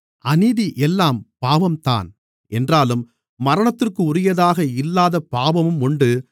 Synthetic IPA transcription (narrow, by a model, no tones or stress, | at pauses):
ʔɐniðiʔɛlːaːmpaːʋɐmt̪a̰ːn | ʔɛndraːlɯmː | ɐɾɐɳɐt̪ːɪrkɯʊɾɪjɐðaːɣɐɪlːaːðɐpaːʋɐmɯmʊɳɖɯ